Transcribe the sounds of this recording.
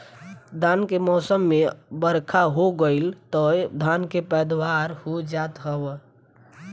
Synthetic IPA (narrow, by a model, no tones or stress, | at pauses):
d̪ʱankemɔːsəmːebəɾkʰaɦoɡəɪlt̪ɔjd̪ʱankepəd̪waɾhod͡ʒat̪ɦəb